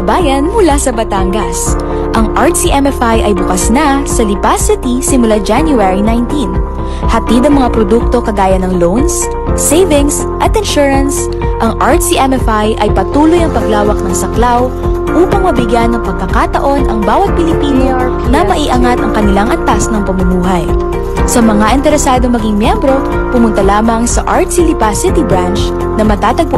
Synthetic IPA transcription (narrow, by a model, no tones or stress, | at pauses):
baːjɐnmʊlasɐbɐt̪aŋɡɐs | ʔɐŋʔaɹt̪siʔɛmɛfajʔɐjbʊkɐsnɐsɐlɪpasɪt̪isɪmʊlad͡ʒanjʊɛɹinajnt̪in | hɐt̪id̪ɐŋmɐŋapɾod̪uk̚t̪o̞kɐɡaːjɐnɐŋlownsː | ejvɪŋs | ʔɐt̪ɪnʃuɹɐns | ʔɐŋʔaɹt̪siʔɛmɛfajʔɐjpɐt̪uːlojɐŋpɐɡlaːwɐk̚nɐŋsɐklaw | ʔuːpɐŋmɐbɪɡjanːɐŋpɐɡ̚kɐkat̪ɐ̰ʔo̞nʔɐŋbaːwɐt̪̚pɪlɪpiːno | nɐmɐʔiːʔɐŋat̪ɐŋkɐnɪlaŋʔɐnt̪asnɐŋpɐmɐmuːɦɐj | sɐmɐŋaʔɪnt̪ɛɾɛsaːd̪oŋmɐɡiŋmjɛmbɾo̞ | pʊmʊnt̪ɐlaːmɐŋsɐʔaɹt̪silɪpasɪt̪ibɾant͡ʃ | nɐmɐt̪aːt̪ɐɡ̚p